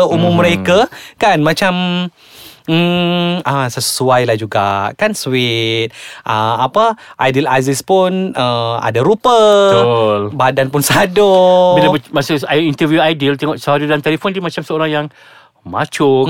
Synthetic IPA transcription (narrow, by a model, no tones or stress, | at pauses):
umʊmːəɾekakanmat͡ʃam | əsəsuajlahd͡ʒuɡa̰ʔkanswɪt̪̚ʔəapəʔajdila̰zispʊnəa̰daɾupə | lbadanpʊnsadobilabmasuaint̪əvjuajdilt̪ɛŋɔʔsəaɾidant̪elefɔndimat͡ʃamsəoɾaŋjaŋ | mat͡ʃʊ